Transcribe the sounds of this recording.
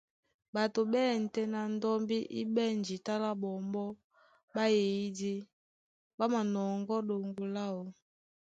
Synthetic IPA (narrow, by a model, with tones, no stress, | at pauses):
ba˨to˨ɓɛː˦˨n̩˨tɛ˦na˨n˦dɔ˦mbi˦ʔi˦bɛ˦˨nd͡ʒi˨ta˦la˦bɔ˨mbɔ˦ | ba˦je˨i˦di˦ | ba˦ma˨nɔ˨ŋɡɔ˦ɗo˨ŋɡo˨la˦ɔ˨